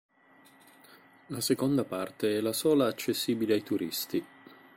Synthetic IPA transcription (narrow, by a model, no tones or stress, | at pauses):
lasekond̪apart̪eɛlasɔːlaːt͡ʃːesːiːbileajt̪uɾʔist̪i